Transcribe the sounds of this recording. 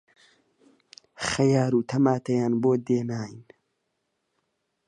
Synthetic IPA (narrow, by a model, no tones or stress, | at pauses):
χɐjaːɾuːt̪ʰɐmaːt̪ɐjaːnboːd̪eːnaːjin